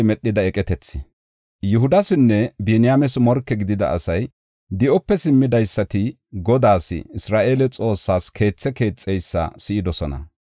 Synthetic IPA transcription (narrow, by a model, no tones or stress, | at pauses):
mɛɗːɪd̪ɐɛkʼɛt̪ɛt͡sːɪ | jʊɦʊd̪ɐsɪnːɛbenɪjamɛsmɔɾkːɛɡɪd̪ɪd̪ɐ̰ʔːsɐj | d̪ɪʔɔpːɛsɪmːɪd̪ɐjsːɐt̪ɪ | ɡɔd̪aːsɪ̰ɪsɾaːʔe̞ːlɛt͡sʼo̞ːsːaːskʰe̞ːt͡sːɛke̞ːt͡sʼːɛjsːɐ̰sɪʔɪd̪ɔsɔnɐ̰